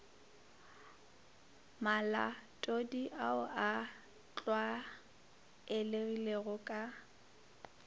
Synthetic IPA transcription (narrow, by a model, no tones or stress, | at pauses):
mala̰tʼodiʔaʊʔa | t͡ɬʼwa | ɪleɣileɣʊkʼa